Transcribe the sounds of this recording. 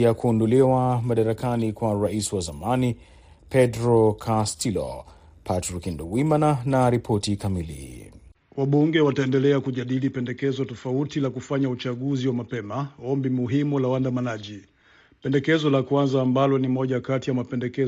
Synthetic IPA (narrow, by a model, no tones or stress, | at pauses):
jakuːndɔliwamaɗaɾakanikwaɾaisiwazamani | pɛdɾɔkʰastilɔ̰ | pʰatɾikinduwimananaɾipʰɔtikamilḭ | waɓuŋɡɛwataɛndɛlɛakuʄaɗilipɛndɛkɛzɔtɔfautilakufaɲaut͡ʃaɠuziwamapɛmaɔmbimuɦimulawandamanaʄi | pɛndɛkɛzɔlakwanzaːmbalɔnimɔʄakatijamapɛndɛkɛ